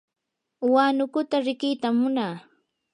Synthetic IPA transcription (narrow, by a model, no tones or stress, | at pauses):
waːnʊkʊt̪aɾɪkɪjt̪amːʊnaː